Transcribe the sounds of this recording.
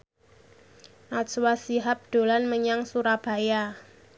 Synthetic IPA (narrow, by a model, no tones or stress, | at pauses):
ʔaswasiɦap̚d̪̥o̤lanməɲaŋsuɾab̥a̤ja